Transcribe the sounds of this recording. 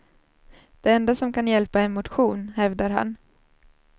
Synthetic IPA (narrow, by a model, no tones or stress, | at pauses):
d̪̥ɛɛnd̪asɔmkanjɛlpaɛnmʊt̪ɧuːnhɛvd̪aɾɦa̰n